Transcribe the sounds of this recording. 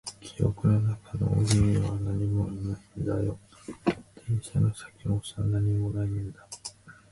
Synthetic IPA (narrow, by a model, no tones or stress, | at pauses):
kʲʰijo̰kɯ̟nonakano̞̰o̰ɡʲimiβanaɲ̟imonaind̪ajo | d̪̥ẽɰ̃ɕano̞sḁkʲimosanaɲ̟imo̞naind̪a